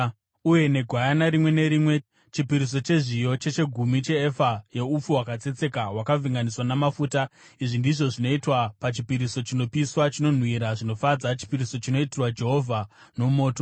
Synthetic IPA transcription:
uje̞ne̞ɡʱwajanaɾimwe̞ne̞ɾimwe̞ | t͡ʃipiɾis̬o̞t͡ʃe̞ʐijo̞t͡ʃe̞t͡ʃe̞ɡʱumit͡ʃe̞ːfaje̞up͡fuwakat͡se̞t͡se̞kaɦwakaviŋɡaniswanamafuːta | iʐindiʐo̞ʐino̞itwapat͡ʃipiɾiso̞t͡ʃino̞piswat͡ʃino̞n̤wiɾaʐino̞fad͡zat͡ʃi̥piɾiso̞t͡ʃino̞itirwad͡ʒe̞ɦo̞vʱa | no̞mo̞ːto

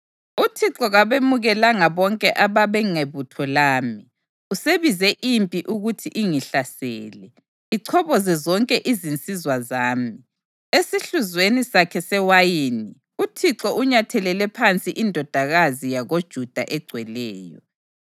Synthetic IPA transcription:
utʰiǁɔɣaβemuɣɛlaŋaβɔŋkʼɛʔaβaβɛŋeβutʰɔlaːmi | useβizɛʔimpʼiʔuɣutʰiʔiŋiɬasɛ̰ːlɛ | iǀʰɔβɔzɛzɔŋkʼɛʔizint͡sʼizwazaːmi | esiɬuzwenisakʰɛsɛwajini | utʰiǁɔʔuɲatʰɛlɛlɛpʰant͡sʼiʔindʱɔd̥ʱaɣazijaɣod̥ʒ̥ʱud̥ʱa̰ʔɛɡ͡ǀʱwɛlɛːjɔ̰

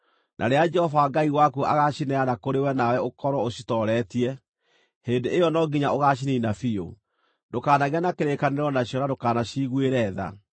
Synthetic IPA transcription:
nʔa̰ɾead͡ʒɛhɔvaɡaiwakuʔa̰ɣaɕinɛanakoɾewɛnawɛokɔɾwɔoɕi̥tɔɾɛtiɛ | heːndeejɔnɔɡiɲaoɣaːɕ̬ininafio̰ | ndokaːnaɣanakeɾekaneɾɔnaɕjɔɾadokaːnaɕiɣweɾɛða̰

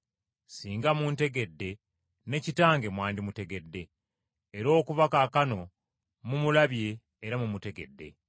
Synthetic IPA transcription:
siːŋɡamuːnte̞ɡe̞dːe̞ | ne̞citaːŋɡe̞mwaːndimute̞ɡe̞dːe̞ː | ɾo̞ːkuvakaːkano̞ | mumulaβje̞ː | ɾamumute̞ɡe̞̰dːe̞̰

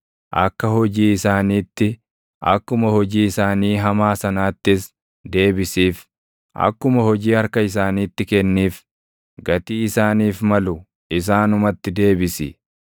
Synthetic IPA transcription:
ʔɐkːɐhɔd͡ʒiːɪsaːniːt̪ːɪ | ʔɐ̰kːʊmɐhɔd͡ʒiːɪsaːniːɦɐmaːsɐnaːt̪ːɪs | d̪e̞ːbɪsiːf | ʔɐ̰kːʊmɐhɔd͡ʒiːɐɾkɐɪs̬aːniːt̪ːɪkɛnːiːf | ɡɐt̪iːɪsaːniːfmɐlʊ | ɪs̬aːnʊmɐt̪ːɪd̪e̞ːbɪsɪ̰

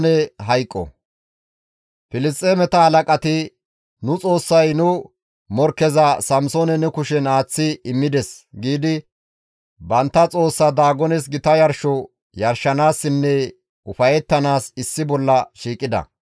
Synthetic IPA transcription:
nɛɦɐjkʼːɔ̰ | fɪlɪst̪ʼeːmɛt̪ɐhɐlɐkʼɐt̪ɪ | nʊt͡sʼo̞ːsːɐjnʊ | mɔɾkɛzɐsɐmsoːnɛnɛkʊʃɛnaːt͡sːɪɪmːɪd̪ɛsɡiːd̪ɪ | bɐnt̪ːɐt͡sʼo̞ːsːɐd̪aːɡɔnɛs̬ɡɪt̪ɐjɐɾʃɔ | jɐɾʃːɐnaːsːɪnːɛ | ʊfɐjɛt̪ːɐnaːsɪsːɪbɔlːɐʃiːkʼːɪd̪ɐ̰

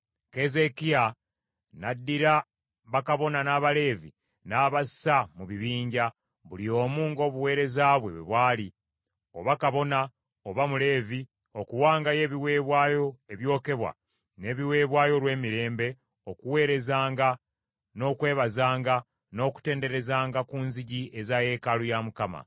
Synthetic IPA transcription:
keze̞kia | nadːiɾa | βakaβo̞nanaːβale̞ːvḭ | naːβassamuβiβiːɲɟa | βulio̞ːmuːŋɡo̞ːβuwe̞ːɾe̞zaːβwe̞̰βeβwaːli | o̞̰βakaβo̞na | oβamule̞ːvi | o̞kuwaːŋɡaje̞ːβiwe̞ːβwaːjo̞e̞βjo̞ːke̞βwa̰ | ne̞ːβiwe̞ːβwaːjolwe̞ːmiɾe̞ːmbe̞ | o̞kuwe̞ːɾe̞zaːŋɡa | no̞ːkwe̞ːβazaːŋɡa | no̞ːku̥te̞ːnde̞ɾe̞zaːŋɡakunziɟiezaje̞ːkalujamukama̰

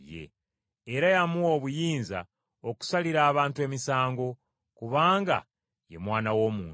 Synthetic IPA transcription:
je̞̰ | eɾajamuwo̞ːβujiːnza̰ | o̞ku̥saliɾaːβaːntue̞ːmisaːŋɡo̞ | kuβaːŋɡa̰ | je̞mwaːnawo̞ːmuː

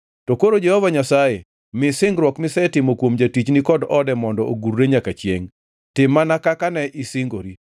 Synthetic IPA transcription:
tokoɾod͡ʒɛhɔvaɲasaje | mɪsɪŋɡɾwɔkmɪsɛtɪmokwomd͡ʒatit͡ʃnɪkɔdɔdɛmɔndɔʔoɡuɾːeɲakat͡ʃjḛŋ | tɪmːanakakanɛʔɪsɪŋɡo̰ɾi

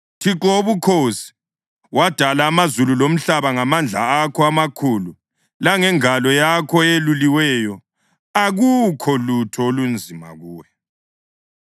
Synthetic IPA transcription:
tʰiǃoβukʰosi̥ | wad̥ʱalaːmazululom̩ɬaβaŋamand͡ɮʱa̰akʰɔamakʰuːlu | laŋɛŋalɔjakʰɔeluliwɛjɔ | aɣukʰɔlutʰɔolund͡zʱima̰ɣuːwɛ

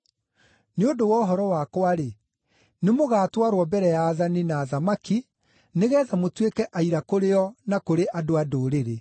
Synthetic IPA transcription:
neodowɔɦɔɾɔwakwaɾe | nemoɣaːtwaɾwɔbɛɾɛjaːðaninaːðamaki | neɣɛːðamotwekɛʔaiɾakoɾeɔnakoɾeʔadoadoːɾeɾe

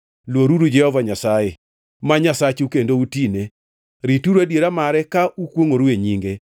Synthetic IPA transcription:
lwoɾuɾud͡ʒɛhɔvaɲasaje | maɲasat͡ʃukendoutine | ɾituɾwadjeɾamaɾɛkaʔukwoŋoɾueɲiŋɡe

